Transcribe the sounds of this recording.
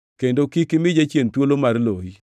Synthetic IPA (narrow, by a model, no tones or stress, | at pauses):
kendokikɪmɪd͡ʒat͡ʃjent̪wolomarloi